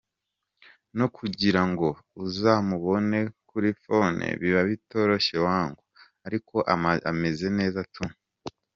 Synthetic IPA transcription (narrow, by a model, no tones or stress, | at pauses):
no̞kʰuɟiɾaŋɡo̞ | uzaːmuβo̞ne̞kuɾifo̞nʔḛβiβaβito̞ɾo̞ʃe̞waːŋɡo | aɾiko̞ʔaa̰me̞ze̞ne̞ːzatume